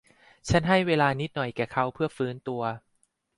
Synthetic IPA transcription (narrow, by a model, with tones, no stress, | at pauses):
t͡ɕʰa˦˥nɦa˥˩jweː˧laː˧ni˦˥t̪̚nɔ˨˩jkɛː˨˩kʰa˦˥wpʰɯ˥˩ɐfɯː˦˥nt̪u˧ɐ